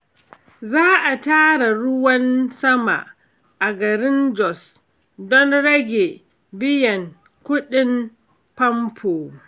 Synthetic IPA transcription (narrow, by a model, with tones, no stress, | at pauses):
zaː˦ʔa˨taː˦ɽa˨ɽʊ˦wɐ˦nsɐ˦ma̰˨ʔ | ʔa˨ɡɐ˨ɾɪ˦nd͡ʒɔ˨s | dɔ˦nɽɐ˦ɡʲe˨ | bɪ˦jɐ˨ŋ | kʷʊ˦ɗɪ˦m | pɐ˦mpʰoː˨